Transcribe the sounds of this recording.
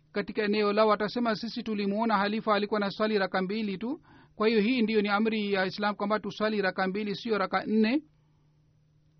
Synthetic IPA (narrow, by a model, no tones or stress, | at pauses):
katikaɛnɛɔlaɔatasɛmasisitulimuɔnahalifaːlikuwanaswaliɾakambilitu | kwahijɔhiːndijɔniam̩ɾijaislamkwambatuswaliɾakambilisiɔɾakan̩nɛ